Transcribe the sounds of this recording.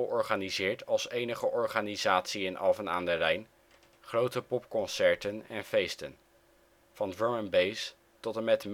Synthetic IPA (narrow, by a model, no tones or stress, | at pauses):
ʔɔɹχaːnizɪːɹtɑlˠsejnəχəʔɔɹχaːnizaːtsiɪnʔɑ̰lˠvəna̰ːndərɛjn | χrowtəpɔpkɔnsɛɹtənɛnfejstən | vɑndɹomənbejs | tɔtəmɛtm